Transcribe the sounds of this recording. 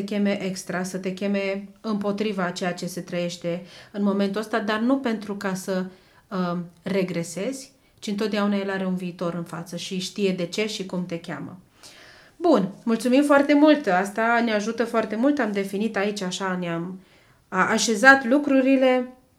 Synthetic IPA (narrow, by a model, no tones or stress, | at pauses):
ekʲe̞me̞ʔe̞kst̪ɾasət̪e̞kʲe̞me̞ɨmpo̞t̪ɾivat͡ʃe̞jat͡ʃe̞se̞t̪ɾəje̞ʃt̪e̞ɨnmo̞me̞nt̪uəst̪ad̪arnupe̞nt̪ɾukasə | re̞ɡɾe̞se̞z̥ʲ | t͡ʃiɨnt̪ot̪̚d̪eaunae̞laɾe̞unviːt̪o̞ɾɨnfa̰t̪səʃiʃt̪ije̞d̪e̞t͡ʃe̞ʃikumt̪e̞kʲa̰mə̰ | bunmult̪sumimfoart̪e̞mult̪ast̪aneaʒut̪əfoart̪e̞mult̪amd̪e̞finit̪ait͡ʃaʃaneam | ʔaʃe̞zat̪lukɾuɾile̞